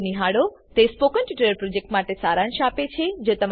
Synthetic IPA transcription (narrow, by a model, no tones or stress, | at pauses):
niɦaɽo | t̪espokəɳʈiʈəɾəɾpɾod͡ʒek̚ʈmaʈesaɾãnʃapet͡ʃʰed͡ʒot̪əm